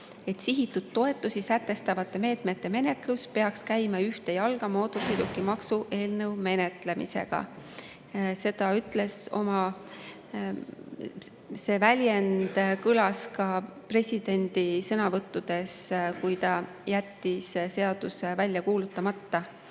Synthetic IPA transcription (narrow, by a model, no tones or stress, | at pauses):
e̞t̪siɦit̪ːud̪̥̚t̪ːo̞e̞t̪ːˑusisæt̪ːˑe̞st̪ɑvɑt̪ːˑe̞me̞ːt̪met̪ːˑe̞me̞ne̞t̪ˑluspe̞ɑkskæjmɑyht̪e̞jɑlɡ̥ɑmo̞ːt̪ːosejd̪ukːˑimɑksuʔe̞ːlnɤwme̞ne̞t̪le̞mḭse̞̰ɡ̥ɑ̰ | se̞d̪̥ɑyt̪ːˑle̞so̞mɑ | se̞ːvælʲjend̪kylɑskɑpre̞sʲid̪̥e̞nʲd̪̥isɤnɑvɤt̪ːud̪̥e̞skujt̪ɑ | jæt̪ːisse̞ɑd̪̥usevælʲjɑkuːlut̪ˑːɑmɑt̪ːɑ